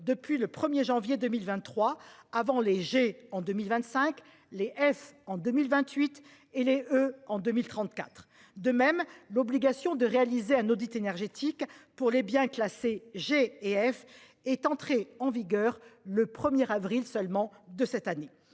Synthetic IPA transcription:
d̪əpɥiləpχəmjeʒɑ̃vjed̪əmilvɛ̃t̪ːχwaavɑ̃leʒeɑ̃d̪ømilvɛ̃nt̪sɛ̃k | leʔɛfɑ̃d̪ømilvɛ̃t̪ɥit̪ | eleøɑ̃d̪ømilt̪χɑ̃t̪ka̰t̪χ | d̪əmɛmlɔbliɡasjɔ̃d̪əʁealizeɛ̃nod̪it̪enɛʁʒet̪ʰikpuʁlebjɛ̃klaseʒeeɛf | ɛt̪ɑ̃t̪χeɑ̃viɡœʁləpχəmjɛʁavʁilsœlmɑ̃ | d̪əsɛt̪ane

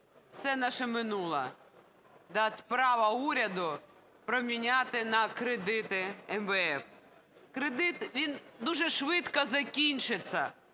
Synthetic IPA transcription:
wsɛnɑʃɛmɪnulˠɐ̰ | d̪ɑt̪ʲpɾɑʋɐuɾʲɐd̪ʊ | pɾɔmʲinʲat̪ɪnɐkɾed̪ɪt̪ɪɛmʋɛɛf | kɾed̪ɪt̪ʋʲind̪uʒɛʃʋɪt̪kɐzɐkʲinʲt͡ʃɪt͡sʲːɐ̰

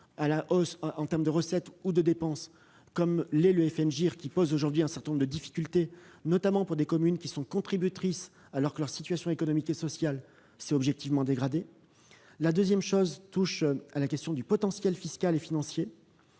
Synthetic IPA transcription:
alaʔɔsɑ̃t̪ɛʁməd̪əʁəsɛt̪ud̪əd̪epɑ̃s | kɔmlɛləɛfɛnʒiʁkʲipozoʒuʁd̪ɥiɛ̃sɛʁt̪ɛ̃nɔ̃ʁd̪əd̪ifi̥kʲylt̪enɔt̪amɑ̃puʁd̪ekɔmynkʲisɔ̃kɔ̃t̪χibyt̪χis | alɔʁkəlœʁsit̪ɥasjɔ̃ekɔnɔmikesɔsjal | sɛɔbʒɛk̚t̪ivmɑ̃d̪eɡʁad̪e | lad̪øzjɛmʃozt̪uʃalakʲɛst̪jɔ̃d̪ypɔt̪ɑ̃sjɛlfiskʲalefinɑ̃sje

